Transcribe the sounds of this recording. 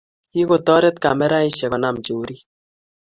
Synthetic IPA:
i˦ko˨tɔ˦ɾɛ˦t̪ka̰˨mɛ˦ɾa˦i˦ʃɛ˨kɔ˨na˨mt͡ʃoː˨ɾi˦

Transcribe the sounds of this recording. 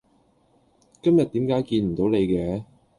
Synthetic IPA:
kɐ˥mjɐ˨t̚t̪iː˨˥mkaː˨˥jkiː˧nm̩˨˩t̪o˨˧˥wne˨˧jkɛː˧˥

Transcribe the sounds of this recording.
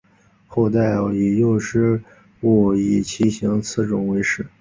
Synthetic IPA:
xo˥˧ʊt̪a˥˩ɪ˨˩i˨˩jo˥˧ʊʂɻ̩˥˩ | wɔ˨˩i˨˩t͡ɕʰi˧˥ɕi˧˥ŋt͡sʰɹ̩˥˩ʈ͡ʂʊ˨˩ŋwe˧˥ɪʂɻ̩˥˩˦

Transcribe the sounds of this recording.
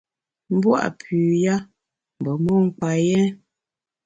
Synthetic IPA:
m̩˦bwa̰˦˨ʔpʰʉː˨ja˦ | m˨bə˨mɔ˦ŋ̩˦k͡pa˨jɛ˦

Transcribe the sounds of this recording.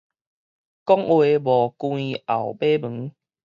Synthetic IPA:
kɔ˦ŋwe˨bɔ˨˩kw̃ĩ˧a˨˩wbe˦mɨ˨˦ŋ

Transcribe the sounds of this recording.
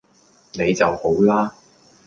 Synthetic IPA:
ne˨˧jt͡sɐ˨who˨˥wlaː˥

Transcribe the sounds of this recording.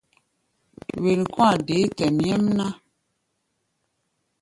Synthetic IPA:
we˨n˨kwa˨de˨˦tɛ˨mjɛ˦mna˦

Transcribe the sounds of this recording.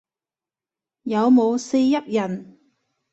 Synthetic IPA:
jɐ˨˧wmo˨˧wse˧jːɐ˥p̚jɐ˨˩n

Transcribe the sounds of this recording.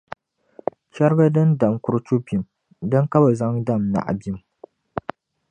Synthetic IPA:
t͡ʃɛ˦ɾɡa˦dɨ˦nda˨mkʊ˦ɾt͡ʃu˦pi˨m | dɨ˦ŋka˦ba˨za˦ŋda˦mna̰˨ʔa̰˨bi˦m

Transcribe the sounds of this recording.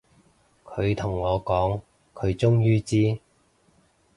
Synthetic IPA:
kʰɵ˨˧ɥt̪ʰʊ˨˩ŋːɔː˨˧kɔː˨˥ŋ | kʰɵ˨˧ɥt͡ʃʊ˥ŋjyː˥t͡siː˥

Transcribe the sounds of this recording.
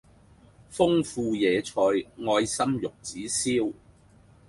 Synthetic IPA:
fʊ˥ŋfuː˧jɛː˨˧t͡ʃʰɔː˧jŋɔː˧jsɐ˥mjʊ˨k̚t͡siː˨˥siː˥w

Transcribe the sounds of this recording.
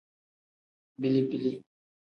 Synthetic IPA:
bi˦˨li˦bi˦li˦

